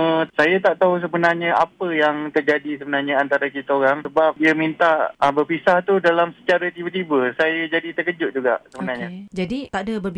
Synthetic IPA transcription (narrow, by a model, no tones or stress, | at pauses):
əsajat̪aʔt̪aɦus̬əbənarɲəʔapəjaŋt̪ərd͡ʒadisəbənarɲəant̪aɾakit̪aoɾaŋsəbap̚diamint̪aʔəbərfisaht̪udalamsə̥t͡ʃaɾat̪ibət̪ibəsajad͡ʒadit̪əkəd͡ʒʊʔ̚d͡ʒuɡa̰ʔsəbənarɲəd͡ʒadit̪aʔdabərb